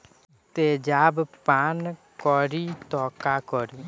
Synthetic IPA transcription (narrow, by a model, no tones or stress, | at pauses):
t̪eːd͡ʒaːbpaːnkɔɾit̪ɔːkaːkɔɾiː